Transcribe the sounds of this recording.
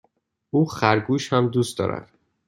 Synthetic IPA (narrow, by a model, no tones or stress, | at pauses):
uːxæɾɡuːʃhæmd̪uːst̪ɒ̰ːɾæ̰d̪̥